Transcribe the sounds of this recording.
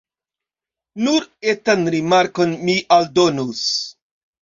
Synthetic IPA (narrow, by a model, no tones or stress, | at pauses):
nuɾetanɾimaɾko̞nmiʔaldonus